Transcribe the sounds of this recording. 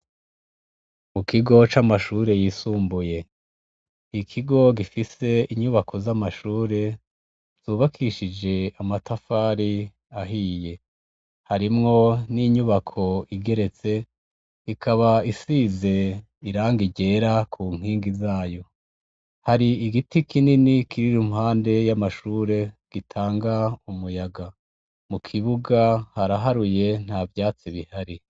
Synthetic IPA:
mukʰiɡo̞t͡ʃamaʃuːɾe̞jisuːmbuje̞ | ikʰiɡo̞ɡifise̞iɲuβakʰo̞zamaʃuːɾe̞ | z̥uːβakʰiʃid͡ʒe̞amatʰafaːɾi | aɦiːje̞ | haɾimŋo̞niɲuβakʰo̞iɡe̞ɾe̞t͡se̞ | ikʰaβaisize̞ | iɾaːŋɡiɟe̞ɾakʰuŋ̥iːŋɡizaːjo̞ | haɾiiɡitikʰininikʰiɾiɾumhaːnde̞jamaʃuːɾe̞ɡ̥itʰaːŋɡaumujaɡa | mukʰiβuɡahaɾaɦaɾuje̞n̥havjaːt͡siβihaɾi

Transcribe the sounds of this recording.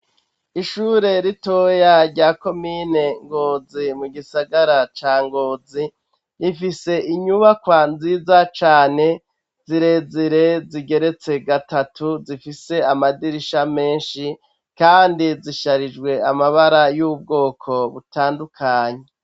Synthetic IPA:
iʃuɾe̞ɾito̞jaɾɟaːko̞mine̞ŋɡo̞ːzimuɡisaɡaɾat͡ʃaːŋɡo̞ːzi | ɾifise̞ʔiɲuβakwanziːzat͡ʃaːne̞ | z̥iɾe̞ziɾe̞ziɡe̞ɾe̞t͡se̞ɡatatuzifise̞amadiɾiʃame̞ːnʃi | kaːndiziʃaɾid͡ʒɡwe̞amaβaɾajuːb̚ɡo̞ːkʰo̞βutaːndukʰaːɲe̞

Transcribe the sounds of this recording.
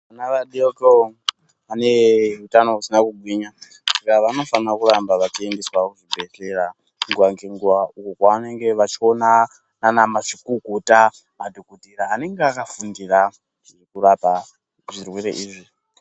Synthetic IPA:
anaʋaɗeoko | ane̞utano̞ɦusinakuɡʱwiɲa | sakaʋano̞fanrakurambaʋat͡ʃiendeswakuʐibʱe̞ɬe̞ra | ŋɡuwaŋɡeŋɡuʋaukokwaʋane̞ŋɡe̞ʋat͡ʃio̞na | nanamaʂikuɡʱuta | madʱokutiɾaːne̞ŋɡeakafundira | kurapa | ʐirwe̞ɾḛʔiːʐi

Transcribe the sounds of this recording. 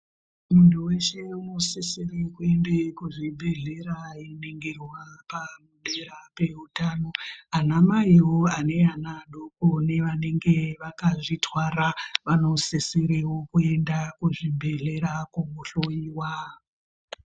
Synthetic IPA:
muntuwe̞ʃe̞uno̞seserekue̞ndekuʐibʱe̞ɮe̞ɾaineŋɡerwapamuɗeɾape̞utaːno̞anamaiwoane̞anaɗokone̞ʋane̞ŋɡeʋakaʐitwaɾaʋano̞seseɾewokue̞ndakuʐibʱe̞ɮe̞ɾakumuɬojiːwa

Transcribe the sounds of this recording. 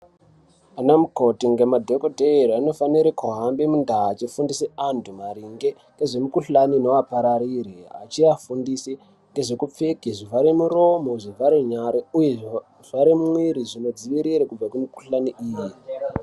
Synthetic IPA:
anamuko̞tiŋɡemadʱekoteriano̞faniɾekuɦambemundat͡ʃifundiseantʰumaɾiŋɡeŋɡeʐe̞mukuɬanino̞apaɾaɾiɾea̰t͡ʃiafundisi | ŋɡe̞ʐekup͡fekiʐivaɾemuro̞mo̞ʐivaɾeɲaɾeujeʐ | ʐaɾemumwiɾiʐino̞d͡ziʋiɾiɾekub͡vakumuku̥ɬaniʔiːji

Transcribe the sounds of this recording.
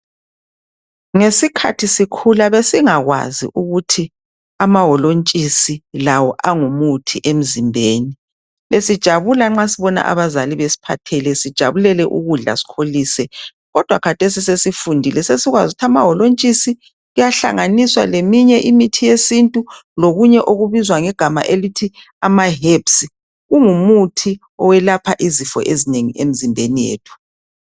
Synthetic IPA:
ŋesikʰa̰tʰisikʰulaβesiŋaɣwa̰zḭʔuɣutʰi | amaɦɔlont͡ʃʼisilawɔʔaŋumutʰiʔem̩zimbʱeːni | lesid̥ʒ̥ʱaβulaŋ͡ǁasiβɔna̰ʔa̰βazaliβesi̥pʰa̰tʰɛlɛsid̥ʒ̥ʱa̰βulɛlɛʔṵɣuɮa̰si̥kʰoliːsɛ | ɣɔd̥ʱwakʰatʰesisesifundʱilɛsesiɣwazutʰamaɦɔlont͡ʃʼisi | ɣujaɬa̰ŋaniswa̰lemiɲɛʔimitʰijesintʼuloɣuɲɛʔoɣuβizwaŋɛɡ̥ʱama̰ʔelitʰi | amaɦepsi | ɣuŋumutʰi | ɔwɛlapʰaʔizifɔ̰ʔezineŋiʔem̩zimbʱenijḛːtʰu̥

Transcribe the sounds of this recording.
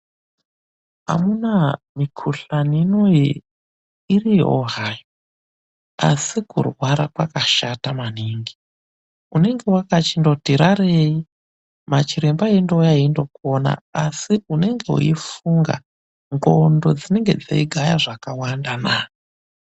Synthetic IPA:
a̰munamikʰuɬaniːnoje | irio̰ɦajo | a̰sikṵrwaɾakwakaʃatamaniːŋɡi | une̞ŋɡe̞wakat͡ʃindo̞tiɾaɾeji | mat͡ʃiɾembaendojaindo̞kona̰asiune̞ŋɡe̞ṵifuŋɡa̰ | ŋɡondo̞d͡zine̞ŋɡe̞̰d͡za̰iɡʱajaʐakawandanaː

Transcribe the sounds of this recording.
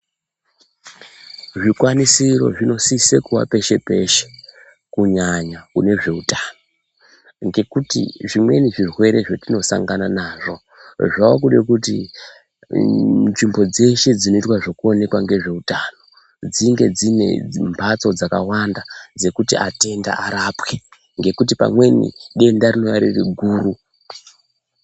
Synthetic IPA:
ʐikwanisiɾo̞̰ʐino̞sisekuwa̰pe̞ʃe̞pe̞ʃe̥ | kuɲaɲakune̞ʐe̞utano̞ | ŋɡe̞kutḭʐimwe̞̰niʐirwe̞ɾe̞ʐotino̞sa̰ŋɡananaʐo̞ | ʐaokuɗekutḭ | nʐimbo̞d͡ze̞ʃed͡zino̞itwaʐokuo̞ne̞kwaŋɡe̞ʐe̞utano̞ | d͡ziŋɡe̞d͡zine̞̰mbʰʱat͡so̞d͡zaka̰wandad͡ze̞kutiʔate̞nda̰ʔaɾapwe | ŋɡe̞kut̬ipa̰mwe̞nḭɗe̞ndarino̞jaɾiriɡʱuːɾu

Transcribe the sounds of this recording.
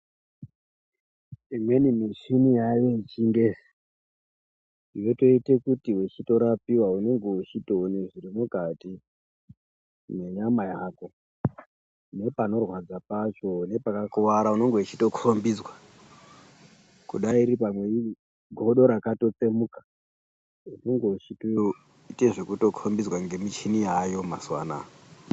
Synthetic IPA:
imwe̞nimiʃinijajeit͡ʃinde | iweto̞ite̞kutiwet͡ʃito̞ɾapiwaune̞ŋɡeut͡ʃito̞une̞ʐiɾimukati | ne̞ɲamajako̞ | ne̞pano̞rwad͡zapat͡ʃo̞ne̞pakakuʋaɾauno̞ŋɡeut͡ʃito̞kʰombid͡zwa | kṵɗaiɾipamwe̞i | ɡʱo̞ɗo̞ɾakato̞t͡semukḁ | une̞ŋɡe̞ut͡ʃito | ite̞ʐekuto̞kʰombizwaŋɡe̞mit͡ʃinijajo̞ma̰swa̰ːna̰

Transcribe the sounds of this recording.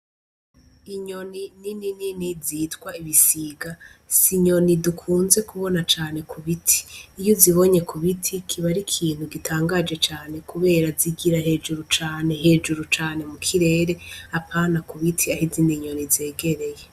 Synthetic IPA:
iɲo̞nininininiziːtkwaiβisiɡasiɲo̞nidukʰuːnze̞kuβo̞nat͡ʃaːne̞kʰuβitʰi̥ːjoziβo̞ɲe̞kʰuβitʰikʰiβaɾikʰiːn̥huɡitʰaːŋɡad͡ʒe̞t͡ʃaːne̞kuβe̞ːɾaziɡiɾaɦe̞ːd͡ʒuɾut͡ʃaːne̞ɦe̞ːd͡ʒuɾut͡ʃaːne̞mukʰiɾe̞ːɾe̞apʰaːnakuβitʰiahiziniɲo̞nizeːɡe̞ɾe̞je

